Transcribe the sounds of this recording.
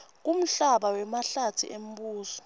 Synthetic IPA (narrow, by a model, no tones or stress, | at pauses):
k̬um̩ɬaɓawɛmaɬatʰḭʔem̩ɓuːsɔ̥